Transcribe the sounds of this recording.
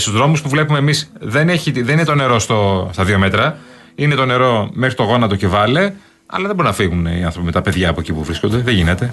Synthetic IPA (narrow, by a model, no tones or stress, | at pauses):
st̪uzðɾo̞muspuvle̞pumeːmisðe̞neçiðeninet̪one̞ɾo̞st̪ost̪ɐðio̞me̞t̪ɾɐ | ine̞t̪o̞ne̞ɾo̞me̞xɾit̪o̞ɣo̞nɐt̪ocevɐle | ɐ̰lɐðeboɾinɐfiɣuniɐnθɾo̞pime̞t̪ɐpe̞ðʝɐːpoecipuvɾisko̞nd̪e̞ðeʝine̞t̪e̞